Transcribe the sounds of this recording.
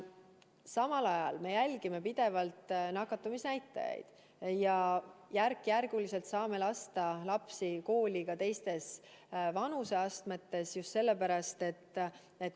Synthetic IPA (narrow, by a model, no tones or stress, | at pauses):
sɑmɑlɑjɑlme̞jælʲɡ̥ime̞pid̪̥e̞vɑlt̪ˑnɑkːˑɑt̪ːˑumisnæjt̪ːˑɑ̰jɑ̰jd̪̥ | jɑjærkːˑjærɡ̥ulise̞lt̪sɑːme̞lɑst̪ɑlɑpsiko̞ːlʲikɑt̪e̞jst̪e̞s | vɑnuse̞ɑst̪met̪ːe̞sjust̪se̞lːe̞pæɾɑst̪e̞t̪ːˑ | et̪